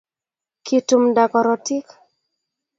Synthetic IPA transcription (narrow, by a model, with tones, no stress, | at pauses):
kʰitu˨mda˨kɔ˨ɾɔ˨ti˦k